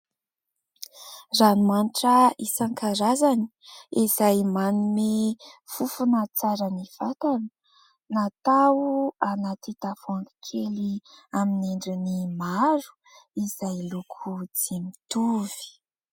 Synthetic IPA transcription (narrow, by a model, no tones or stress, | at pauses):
ranumaniʈ͡ʂəisaŋkaɾazani̥ | izajmanumefufunat͡saɾəniv̥at̪anə | nat̪auanat̪it̪afuaŋɡi̥kʰeliamineɳɖ͡ʐinimaɾu̥ | izajlukʰud͡zimit̪uvi̥